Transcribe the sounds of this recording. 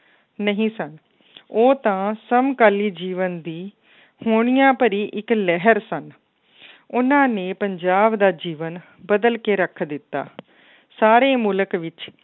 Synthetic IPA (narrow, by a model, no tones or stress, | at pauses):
nəɦĩːsən | oːt̪ãːsəmkaːliːd͡ʒiːʋənd̪iː | hoːɳɪjãːpəɾiːʔɪklɛɦəɾsən | ʊnãːneːpəɲd͡ʒaːbd̪aːd͡ʒiːʋən | bəd̪əlkeːɾəkʰd̪ɪt̪ːa̰ː | saːɾeːmuləkʋɪt͡ʃ